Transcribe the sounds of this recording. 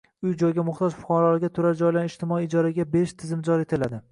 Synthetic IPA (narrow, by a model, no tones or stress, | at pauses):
ʊjd͡ʒɒjɡʲamʊχt̪ʰɒd͡ʒfʊ̥qɒɾɒlˠɪɡʲat̪ʰʊɾaɾd͡ʒɒjlaɾɪʃt̪ʰɪmɒiːd͡ʒɒɾaɡʲabeɾɪʃt̪ʰɪzɪmd͡ʒɒɾet̪ʰɪlad̪ɪ